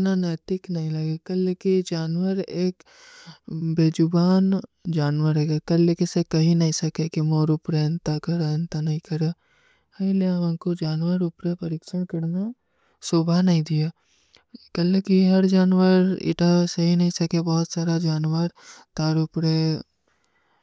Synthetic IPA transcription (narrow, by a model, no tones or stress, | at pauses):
nanɛːt̪ɪknɐɦĩlɐɡekɐlːekid͡ʒaːnwəɾeːk | beːd͡ʒʊbaːnd͡ʒaːnʋəɾɛɡekɐlːekisekɐɦinɐɦĩsɐkekimoːɾʊpɾeɐ̃nt̪akɐɾeɐnt̪anɐɦĩkɐɾe | hɐileʋə̃nkod͡ʒaːnʋəɾʊpɾepɐɾiːkʃənkɐɾna | soːbʱanɐɦĩd̪ija | kɐlekiɦɐɾd͡ʒaːnwəɾḭʈʰasɐɦinɐɦĩsɐkebɔːʊt̪saːɾad͡ʒaːnwəɾt̪aːɾʊpɾe